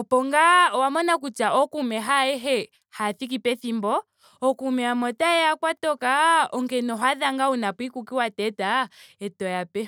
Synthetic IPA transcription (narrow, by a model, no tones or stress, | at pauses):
ɔpɔŋɡawamɔnakut͡ʃaʔɔkumɛɦaɛɦɛ | haθikipɛθimbɔ | ɔkumɛamɔtaɛakwatɔkaɔŋɡɛnɔɦaðaŋɡaunapwikukiwatɛtaɛtɔjapɛ